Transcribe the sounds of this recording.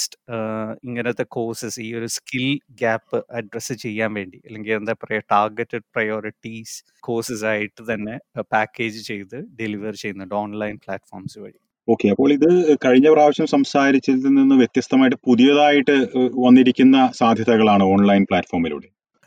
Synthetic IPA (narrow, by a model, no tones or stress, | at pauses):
st | iŋːɐneot̪ːe̞ko̞ːrsɨsiːo̞ɾuskilɡaːpːɨʔɐɖrɐsɨt͡ɕe̞jːaːnʋe̞ːɳɖiɐlːe̞ŋɡilend̪apːɐrɐjɐʈaːrɡetːɨɖ̚prɐjo̞ːɾiʈːis | ko̞ːrsɨsaːjiʈːɨt̪ɐnːe̞paːkʲːe̞ːd͡ʑɨt͡ɕe̞jt̪ɨɖeliʋɐrt͡ɕe̞junːɐɖo̞ːnlɐjnplaːtfo̞ːrmskɐ̰ɻiku | o̞ːkːe̞ɐpːo̞ːɭiðɨkɐɻiɲːɐpraːʋɐɕjɐmsɐmsaːɾit͡ɕːilnininːɨʋjet̪jɐst̪ɐmaːjiʈːɨpuðijɐðaːjiʈːɨʋɐnːiɾikʲːunːɐsaːd̪ʱjɐðɐɣɐɭaːɳɨo̞ːnlɐjnpɭaːtfo̞ːrmilṵːɽe